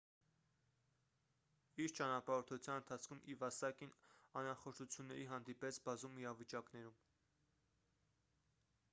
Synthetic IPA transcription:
iɾt͡ʃɑnɑpɑɔɾt̪ʰuut͡sʰjɑnənt̪ʰɑt͡sʰkʰumʔivɑsɑkinɑnɾɑχɔɾt̪ʰut͡sʰjunːɛɾiɦɑnd̪ipɛt͡sʰbɑzumiɾɑvit͡ʃɑknɛɾum

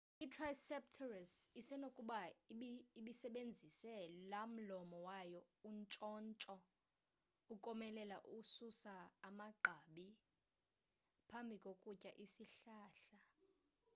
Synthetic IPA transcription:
itʰrajsɛptʰɔrasisɛnokʼuɓaiɓiiɓisɛɓend͡zʱisɛlam̩lɔmɔwajɔunt͡ʃʼɔːnt͡ʃʼɔ | ukʼɔmɛlɛlaʔususaːmaɡ͡ǃʱaɓi | pʰambʱikʼokʼucʼaʔisiɬaːɬa

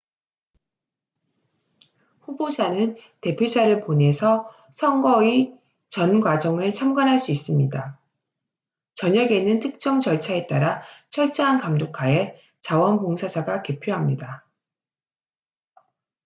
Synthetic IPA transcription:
ɸubod͡ʑanɯnte̞pʰjod͡ʑaɾɯɭpone̞sʰʌ | sʰʌŋɡʌi | t͡ɕʌnɡwad͡ʑʌŋɯɭt͡ɕʰamɡanɦaɭs͈uis͈ɯmɲida | t͡ɕʌɲʌɡe̞nɯntʰɯk̚t͡ɕ͈ʌŋt͡ɕʌɭt͡ɕʰae̞t͈aɾat͡ɕʰʌɭt͡ɕ͈ʌɦankamdokʰae̞ | t͡ɕawʌnpoŋsʰad͡ʑaɡake̞pʰjoɦamɲida

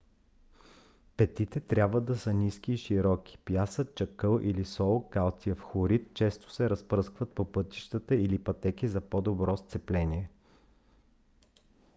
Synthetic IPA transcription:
pɛt̪it̪ɛt̪ɾʲabvəd̪ɐsəniskiːʃiɾɔkʲi̥pjasətt͡ʃɐkɤlˠʔilisɔlˠɡalˠt̪sijəfxoɾit̪̚t͡ʃɛst̪o̥sɛɾɐspɾɤskvət̪̚popɤt̪i̥ʃt̪ət̪əilipɐt̪ɛkizɐpɔd̪obɾɔst̪sɛplɛniɛ

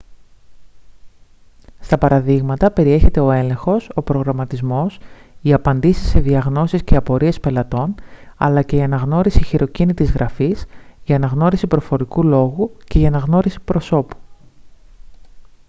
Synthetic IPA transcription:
st̪ɐpɐɾɐðiɣmɐt̪ɐpe̞ɾie̞çe̞t̪e̞o̞e̞le̞ŋxo̞so̞pɾo̞ɣɾɐmɐt̪izmo̞siɐpɐnd̪isi̥sːe̞ðiɐɣno̞sisceɐpo̞ɾie̞spe̞lɐt̪o̞nɐ̰lɐce̞iɐnɐɣno̞ɾisiçiɾo̞cinit̪izɣɾʔɐfisʝɐːnɐɣno̞ɾisipɾo̞fo̞ɾikulo̞ɣuce̞iɐnɐɣno̞ɾisi̥pɾo̞so̞pu̥

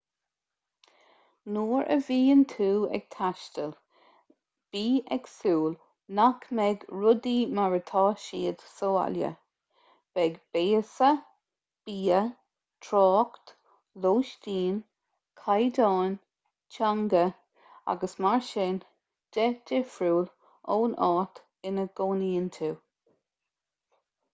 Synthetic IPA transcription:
nuːɹə̰viːənt̪ʰuːɛ̰ɡ̥̚t̪ʰaʃtəl | b̥iːʔɛɡ̥suːl | nakʰmɛɡɹʊd̪imaɹət̪ʰɑːʃiːəd̪soːa̰ljə̰ | b̥ɛɡb̥eːəsə | b̥iːə | t̪ʰɹɑːkt̪ | loːʃtiːn | kʰajd̪ɑːn | t͡ʃʰaŋɡə | a̰ɡəsmaɹʃɪn | d̥ɛdɪfɾuːl | oːnʔɑːt̪ | ɪnəɡ̥oːniːnt̪ʰu

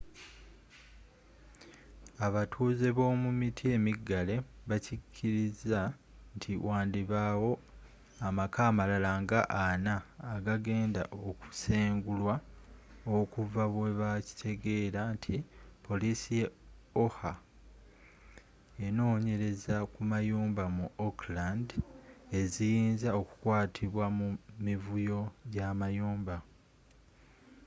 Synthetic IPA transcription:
aβatʰuːze̞βo̞ːmumitʰie̞miɡale̞βacicʰːiɾiza | ntʰiwʔaːndiβaːwo̞ | amakaːmalalaŋɡaʔanaːɡaɡe̞ːnda̰ʔoku̥seːŋɡulwa | okuvaβwe̞βaci̥tʰe̞ɡe̞ːɾantʰipʰo̞lisijeo̞ha | eno̞ːɲe̞ɾe̞zakumajuːmbamuoklande̞zijiːnzao̞ku̥kwaːtʰiβwamumivujo̞ɟamajuːmba

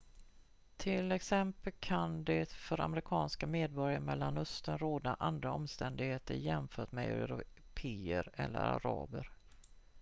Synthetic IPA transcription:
t̪ʰɪlɛksɛmpəlkʰand̪ɛfœɾʔa̰mɾɪkʰɑːnskameːd̪̚bɔɾjaɾmɛlːanɵst̪ənɾoːd̪aʔand̪ɾaɔmst̪ɛnd̪ɪɡheːt̪əɾjɛmfœːʈmɛ̰ɛ̰ɾʊ | pʰeːəɾɛ̰lːə̰ɾa̰ɾɑːbəɾ

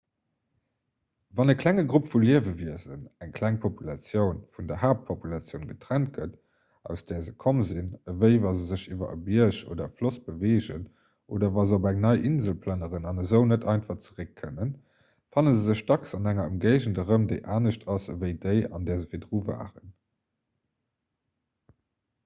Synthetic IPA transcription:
vɑnəkʰlæŋəɡʁupfuliəvəviəzənæŋkʰlæŋpʰopulɑt͡sjəʊnfundɐhaːp̚pʰopulɑt͡sjəʊnɡətʁ̥ænt̚ɡət | ʔɑ̰ʊsd̥ɛːɐzəkʰomzinəvəɪvɑzəzəʃiːvɐ̰əbiɐʃo̰ːdɐəflosb̥əveːʒən | ʔoːdɐvɑːzəobæŋnɑɪʔinzəlpʰlɑnəʁənɑnəzəʊnətʰɑɪnfɑχt͡səʁəkʰːə̰nən | fɑnənzəzəʃdɑksɑnæŋɐəmɡɜɪʒəndəʁəmdeɪʔaːnəɕtʰɑsvəɪdəɪɑ̰ndɛːɐzəvidʀuːva̰ːʁən

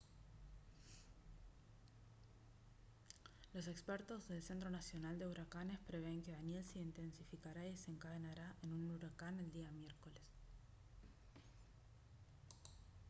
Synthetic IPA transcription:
lo̞se̞kspeɾt̪o̞zðe̞lse̞nt̪̬ɾo̞nasjo̞nald̪e̞uɾakane̞spɾe̞β̞e̞ŋkeðanje̞lse̞int̪e̞nsifikaɾaieseŋkaðenaɾaʔenunuɾakane̞ld̪iamje̞ɾko̞le̞s

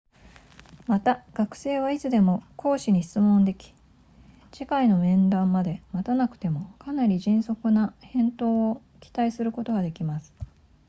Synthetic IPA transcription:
mat̪aɡ̥akɯ̟̥se̞ːβ̞ait͡sɨd̪e̞mo̞kʰo̞ːɕiɲ̟iɕi̥t͡sɨmõ̞nd̪e̞kʲi̥ | ɕikaino̞mẽ̞nd̪ãmːad̪e̞mat̪anakɯ̟̥t̪e̞mo̞kanaɾʲiʑĩɰ̃so̞kɯ̟nahẽ̞nt̪o̞ːo | kʲi̥t̪aisɨɾɯ̟ko̞t̪o̞ɡad̪e̞kʲimasɨ̥

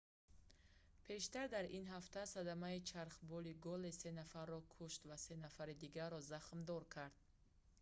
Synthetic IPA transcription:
pʰe̞ʃt̪aɾd̪aɾinɦaft̪asad̪amait͡ʃʰaɾχbɔliɡɔlese̞nafaɾːɔkʰuʃt̪vase̞nafaɾid̪iɡaɾːɔzaχmd̪ɔɾkʰaɾd̪̥̚

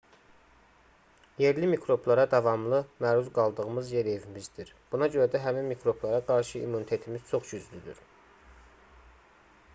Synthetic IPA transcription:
je̞ɾlimikʰɾo̞blˠɑɾɑd̪ɑvɑmlˠɯmæːɾuzɡɑlˠd̪ɯɣɯmɯzje̞ɾe̞vimizd̪iɾ | b̥unɑɟø̞ɾæd̪æɦæminmikʰɾo̞blˠɑɾɑɡɑɾʃɯḭmːunit̪ʰe̞t̪ʰimiz̥t͡ʃʰo̞χd͡ʒyzlyd̪y̰ɾ

